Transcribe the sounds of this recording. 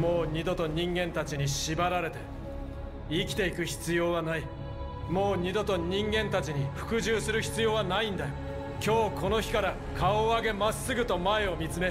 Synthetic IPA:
mo̞ːɲ̟ʲid̪o̞t̪o̞ɲ̟ĩŋɡẽ̞nt̪at͡ɕiɲ̟iɕibaɾaɾe̞t̪e̞ | ikʲi̥t̪e̞ikɯ̟çi̥t͡sɨjo̞ːβanai | mo̞ːɲ̟id̪o̞t̪o̞ɲ̟ĩŋɡẽ̞nt̪at͡ɕiɲ̟iɸɯ̟̥kɯ̟ʑɨːsɨɾɯ̟çi̥t͡sɨjo̞ːβanaĩnd̪ajo | kʲo̞ːko̞no̞çi̥kaɾa | kʰaoaɡe̞masːɨɡɯ̟t̪o̞mae̞o̞mʲit͡sɨme̞

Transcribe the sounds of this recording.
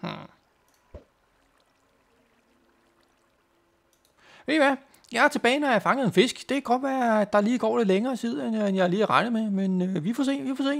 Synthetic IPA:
h̩ | ʋe̝ʋæ | jɑ̈æɐt͡sʰe̝b̥ɛːɪnɒjɑ̈ɪfɑ̈ŋəð̩ˠenfe̝sɡ̥d̥e̝kʰæɡ̥ɒ̽d̥̚ʋæɐd̥ɑ̈liːɡ̥ɒ̰ːle̝d̥leŋɐːt͡sʰið̞̰ˠennjɑ̈ɪɐliːæʁɑ̈ɪnəmemenøʋifɒse̝̰ːʋifɒse̝̰ː

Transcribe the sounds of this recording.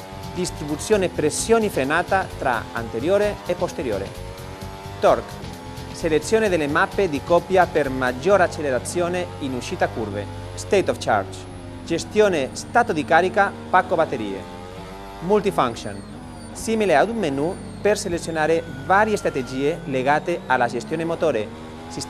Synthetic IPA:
d̪ist̪ɾibut̪sjoːnepɾesjoːnifɾenaːt̪at̪ɾa̰a̰nt̪eɾjoːɾeːpːost̪eɾjo̰ːɾḛ | t̪ɔɾk | selet̪sjoːned̪elːemapːed̪ikɔpjapeɾmad͡ʒoːɾat͡ʃːeleɾat̪sjoːneinuʃiːt̪akuɾvḛ | st̪ejt̪ɔft͡ʃa̰ɾt͡ʃ | d͡ʒest̪joːnest̪at̪od̪ikaɾika | pakːobat̪ːeɾiːḛ | mult̪ifaŋkʃo̰n | similead̪umːenu | perselet̪sjonaːɾe | vaɾjest̪ɾat̪ed͡ʒiːeleɣat̪ealad͡ʒest̪joːnemot̪oːɾe | sis

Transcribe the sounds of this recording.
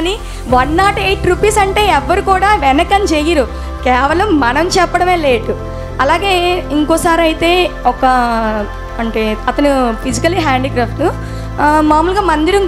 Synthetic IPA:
ni | ʋɐnːaːʈeːʈːɾupiːsɐɳʈe̞ːɛʋːɐɾukuːɽaːʋɛnɐkɐnt͡ʃeːjiɾu | kɛːʋɐlɐmːɐnɐmt͡ʃɛpːɐɽɐme̞ːle̞ːʈu | ɐlaːɡe̞ːiŋkɔːsaːɾiɐjit̪e̞ːɔkɐ | ɐɳʈeːɐt̪ɐnufid͡ʒikɐliɦaːɳɖikɾaːpʰʈu | maːmuːlɡaːmɐnd̪iɾɐm

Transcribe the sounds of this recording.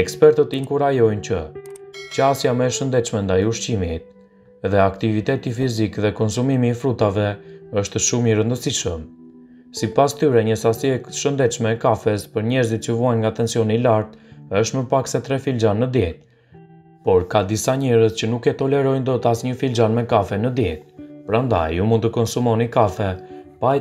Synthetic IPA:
ɛkspɛɾt̪ət̪iŋkuɾajɔjncə | t͡ɕasjamɛʃənd̪ɛt͡ʃmɛnd̪ajuʃt͡ɕimit̪̚ | ðɛakt̪ivit̪ɛt̪ifizikðɛkɔnsumimiːfɾut̪avɛəʃt̪ʃumiɾənd̪əsiʃəm | sipast̪yɾɛɲəsasiɛʃənd̪ɛt̪ʃmɛːkafɛspəɾɲɛɾzit̪̚t͡ʃəvɔajnŋɡat̪ɛnsijɔnilaɾt̪əʃt̪məpaksɛt̪ɾɛfild͡ʒanːəd̪jɛt̪̚ | pɔɾkad̪isaɲɛɾəzcənukɛt̪ɔlɛɾɔjnd̪ɔt̪asɲəfild͡ʒanmɛkafɛnəd̪jɛt̪̚pɾand̪a̰jumund̪t̪əkɔnsumɔnikafɛpa

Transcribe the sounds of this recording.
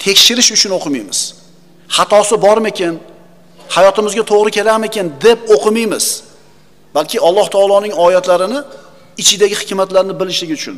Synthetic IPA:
t̪ʰe̞kʲʃɪɾɪʃʊt͡ʃʰʊnoqʰɨmijmɪz̥ | hɑt̪ʰɒsɪbɒɾmekʲen | hajɒt̪ɪmɪzɡʲat̪ʰoʁɾɪkʲʰe̞laɾme̞kʲʰend̪e̞poqʰɨmijmɪz̥ | b̥alˠkʲʰɪɒlˠːɒht̪ʰɒːlˠɒnɪŋɒjlat̪laɾɪnɪ | ɪt͡ʃʰɪd̪aɡʲɪhɪkʲmat̪laɾnɪbɪlɪʃlɪɡʲɪʊt͡ʃʰʊ̰n

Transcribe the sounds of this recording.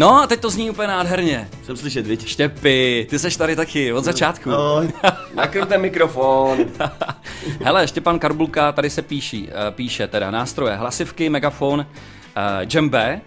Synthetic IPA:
no̞at̪ɛc̚t̪o̞zɲiːupəɲɛnaːdɦɛɾɲɛ | sɛmslɪʃɛt̪vɪcʃcɛpɪt̪ɪsɛʃt̪aɾɪt̪akɪvod̪zatt͡ʃaːt̪ku | nakɾut̪ɛnmɪkɾofon | ɦɛlɛjɛʃcɛpankaɾbulkat̪adɪsɛpiːʃḭːpiːʃɛt̪ɛda̰naːst̪ɾo̞jɛɦlasɪfkɪmɛɡafon | d͡ʒɛmbɛː

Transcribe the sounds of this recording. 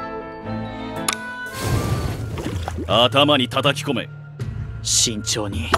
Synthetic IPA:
at̪amaɲ̟it̪at̪akʲi̥ko̞me̞̰ | ɕĩɲt͡ɕoːɲi

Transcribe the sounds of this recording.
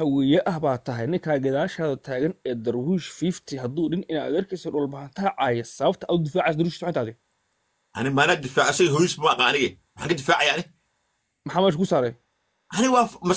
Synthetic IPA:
hɐwɛjɐʔɐhbaːt̪ʰɐɦɛjnɪŋkʰaːɡɐðaːʃaːðɐt̪ʰaːɣɐnɛːd̪ɐrwiːʃfiːft̪ʰɪɦɐd̪uːɖɪnɪna̰ːd̪ɐrkʰɛsɐɖʊːlbɐɦɐnt̪ʰɐʕɑːjɐsɐβɐb̚t̪ʰɐʔɐʊd̪ɪfaːʕɪjsɐd̪ɾwiʃiswħaːt̪aːd̪ɪ | ʔɐ̰nɪmaːnaːd̪ɪfaːʕɪsɐɦɔjisbɐmːqɑːnɪɣɛ | wħãːŋkʰɐd̪ɪfaːʕajaːʔɐnɪ | mɐħaːmɛːʃkʰʊsaːɾɛj | ʔɐnɪɣɐwɑːmɐ

